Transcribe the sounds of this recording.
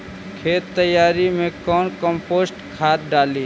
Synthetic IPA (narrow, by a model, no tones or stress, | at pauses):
kʰeːt̪ːəjaːɾimẽkɔːnkəmpoːsʈkʰaːt̪̚ɖaːliː